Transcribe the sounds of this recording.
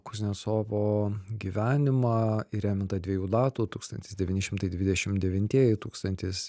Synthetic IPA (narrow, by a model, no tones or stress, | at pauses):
kʊzʲnʲɛsoːʋoːɡʲiːʋʲæːnʲɪmɑiɾʲæːmʲɪnt̪ɐd̪ʋʲiɛjuːd̪ɑːt̪uːt̪uːkst̪ɐnt̪ʲɪ̥sd̪ʲɛʋʲiːnʲɪʃʲɪmt̪ɐɪd̪ʲʋʲɪd̪ʲɛʃʲɪmdʲɛʋʲɪnʲt̪ʲiɛjɪt̪uːkst̪ɐnʲt̪ʲɪs